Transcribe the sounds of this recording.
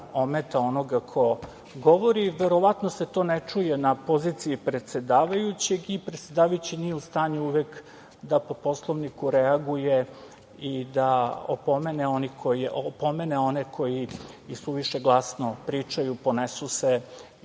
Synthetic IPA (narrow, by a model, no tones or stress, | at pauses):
omet̪aonoɡakʰo̞ | ɡo̞ʋo̞ɾiʋeɾo̞ʋat̪no̞set̪o̞ːnet͡ʂuje̞napo̞ziːt̪siipɾe̞t̪se̞d̪aːʋajut͡ɕe̞ɡipɾet̪sʲed̪aːʋajut͡ɕinijeust̪aːɲuuʋek | d̪apo̞po̞slˠoʋnikuɾeaɡuje̞ | id̪ao̰po̞meneo̞nikʰo̞iʔopo̞me̞neo̞nekʰo̞jiisuʋiʃeɡlˠasnopɾiːt͡ʂajupo̞nesuse